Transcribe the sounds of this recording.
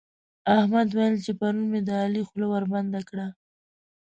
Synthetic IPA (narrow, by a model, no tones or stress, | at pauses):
ahmad̪wajəlt͡ʃepaɾunmed̪əɑlixlowaɾband̪akɽa